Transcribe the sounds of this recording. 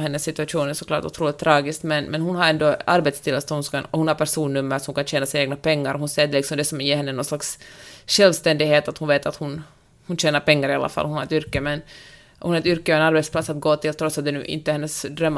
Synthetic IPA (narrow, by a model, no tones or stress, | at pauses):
ɦɛnːəsːɪt̪ʉaʂuːnæʂɔkʰlɑ̰ːʈʊ̰t̪ʰɾuːlɪt̪ʰːɾɑːɡɪskt̪mɛnmɛnɦʊnɦaɾɛnd̪ɔaɾbeːt̪st̪ʰɪlːasɔhʊnska̰ɔhʊnhaɾpʰæʂuːnːɵmːəɾsɔhmkʰanɕeːnasɪneːɡ̚napʰɛŋːaɾɔhʊnsɛːɖ̪ɛlɪksɔmd̪ɛsɔmjeːɦɛnːənɔnslaksɕɛlvst̪ɛnd̪ɪɡɦeːt̪at̪hʊnveːt̪at̪hʊn | hʊnɕeːnaɾpɛŋːaɾɪa̰lʔa̰fa̰lhʊnhaɾɛt̪ʏɾkːəmɛn | hunhaɾɛt̪ʏɾkːəɔɛnaɾbɛt̪splat̪sːat̪̚ɡoːt̪ʰɪlt̪ʰɾɔt̪sat̪̚d̪ɛnʉ̰ːʔɪ̰nt̪ːəhɛnːəsd̪ɾœmː